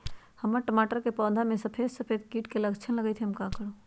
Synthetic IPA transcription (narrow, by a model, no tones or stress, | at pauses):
həməɾʈəmaːʈəɾkepɔːd̪ʱamẽsəpʰeːd̪səpʰeːd̪̚kiːʈkeləɡt͡ʃʰənləɡəjt̪ʰeɦəmkakəɾo